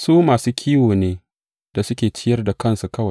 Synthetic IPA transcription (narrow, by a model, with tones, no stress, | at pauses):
suː˦maː˨suː˦kʲʰiː˦woː˨neː˦ | d̥a˨sʊ˦kʲeː˨t͡ʃɪ˦jɐ˦rda˨kɐ˦˨nsu˨kɐ˦wɐ˨